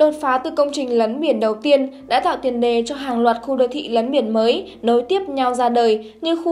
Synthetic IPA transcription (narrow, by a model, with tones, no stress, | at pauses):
ɗo˨˩t̚faː˨˦t̪ɨ˨˩kə˧wŋ͡mt͡ɕï˨˩ŋ̟lə˨˦nɓi˧˩ənɗə˨˩wt̪i˧ənɗa̰ː˧˥t̪a̰ː˧˨wt̪i˨˩ənɗe˨˩t͡ɕɔ˧ɦaː˨˩ŋlwaː˨˩t̚xu˧ɗoː˧˩jt̪ʰḭ˧˨lə˨˦nɓi˧˩ənməː˨˦j | no˨˦jt̪i˦˥əp̚ɲa˧wzaː˧ɗəː˨˩j | ɲɨ˧xu˧